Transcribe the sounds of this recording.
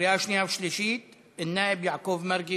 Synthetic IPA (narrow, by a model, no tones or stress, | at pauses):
ɪʔaːʃniafʃliʃiːt̪̚ | ɪnːaːʔɪbjaʕkuːbmaɾɡi